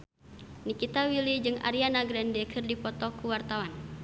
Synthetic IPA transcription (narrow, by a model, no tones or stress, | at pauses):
nikit̪awilid͡ʒɨŋa̰ɾianaɡɾɛndɛkʰɨrdipɔt̪ɔkuwart̪awan